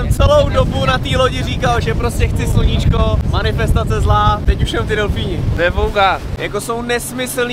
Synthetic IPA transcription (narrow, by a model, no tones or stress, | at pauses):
ɛmt͡sɛlo̞wdobunat̪iːloɟɪriːkalʒɛpɾoscɛxt͡sɪsl̩ɲɪt͡ʃkomanɪfɛst̪at͡sɛzlaːt̪ɛcuʃsɛmft̪ɪdɛlfiːɲɪvɛvowkaːjako̞so̞wnɛsmɪsl̩nː